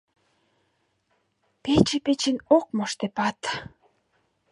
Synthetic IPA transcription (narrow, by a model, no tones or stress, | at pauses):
pʲet͡ʃĕpʲet͡ɕĭnoq̚moʃt̪epat̪